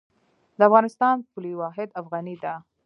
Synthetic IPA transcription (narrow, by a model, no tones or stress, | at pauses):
d̪əafɣɑnɪst̪ɑnpuliwɑɦɪd̪afɣanid̪a